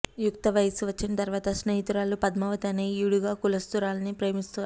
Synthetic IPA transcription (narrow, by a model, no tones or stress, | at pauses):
jukt̪ɐʋɐjsuʋɐt͡ʃːinɐt̪ɐɾʋaːt̪ɐsnɐjit̪uɾaːlupɐd̪mɐʋɐt̪ɐneiɽuɡaːkulɐst̪uɾaːlɐnipɾɐjmist̪uʋ